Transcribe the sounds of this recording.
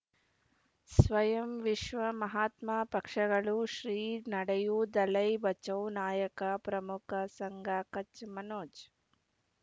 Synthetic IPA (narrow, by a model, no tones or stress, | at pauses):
sʋɐjɐmʋiʂʋɐmɐɦaːt̪maːpɐkʂɐɡɐɭuʃɾiːnɐɽɐjud̪ɐlɐjbɐt͡ʃɐwnaːjɐkɐpɾɐmukʰɐsɐŋɡʱaːkɐt͡ʃmɐnoːd͡ʒ